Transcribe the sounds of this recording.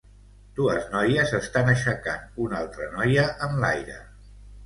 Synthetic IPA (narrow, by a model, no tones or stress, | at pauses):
d̪̥uəznɔjəzəst̪anəʃəkanunalˠt̪ɾənɔjəʔəmla̰jɾə̰